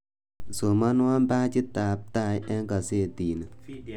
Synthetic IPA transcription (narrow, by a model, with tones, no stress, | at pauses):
so˨ma˦n˦wa˦mba˦t͡ʃi˦ta˨˦p̚ta˦˨jɛ˦ŋka˨se˦˨tiː˨nə˨